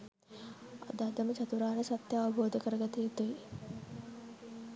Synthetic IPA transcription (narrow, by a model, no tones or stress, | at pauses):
ɐ̰d̪aːd̪ɐmɐt͡ʃɐt̪uɾaːnɐsɐt̪jɐːʋɐbʱoːd̪ʱɐkɐɾɐɡɐt̪iit̪ui